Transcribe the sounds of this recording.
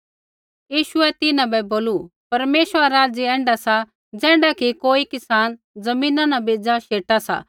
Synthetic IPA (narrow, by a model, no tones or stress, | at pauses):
jiːʃʊɛt̪ɪnãbɛboːlupɐɾmeːʃəɾaɾaːd͡ziɛ̃ːɳɖasa | d͡zɛ̃ːɳɖakikoːikɪsaːn | d͡zɐmĩːnãnabeːd͡zaʃeːʈasa̰